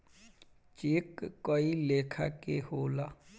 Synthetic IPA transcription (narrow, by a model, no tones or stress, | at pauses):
t͡ʃɪkːoileːkʰaːkehoːlaː